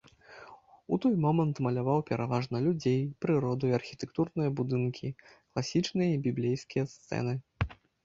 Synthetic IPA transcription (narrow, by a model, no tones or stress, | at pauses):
ut̪ɔjmɔmɐnt̪mɐlʲavawpʲɛɾavaʐnɐlʲud͡zʲejpɾɨɾɔd̪uiɐrxʲit̪ɛkt̪urnɨjɐbud̪ɨnkʲʰiklˠasʲit͡ʂnɨjɐibʲiblʲejskʲijɐst̪sɛ̰nɨ